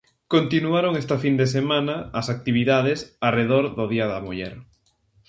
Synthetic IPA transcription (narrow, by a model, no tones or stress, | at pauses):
kont̪inuaɾoŋɛst̪ɐfind̪esemãnɐːsak̚t̪iβiðað̞esareðoɾðʊðiɐðɐmuʎɛ̰ɾ